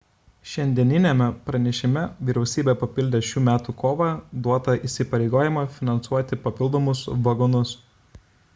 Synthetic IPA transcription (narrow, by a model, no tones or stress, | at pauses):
ʃʲɛnʲd̪ʲiɛnʲɪnʲɛmʲɛpɾɐnʲɛʃʲɪmʲɛʋʲiːɾʲɛʊsʲiːbʲepɐpʲɪlʲd̪ʲeːʃʲuːmʲæːt̪uːkoːʋɐd̪uɔt̪ɐʔiːˑsʲɪpɐɾʲɛɪɡoːjɪmɐfʲɪnɐnt̪suɔt̪ʲɪpɐpʲɪlˠd̪oɔːmʊsʋɐɡɔnʊs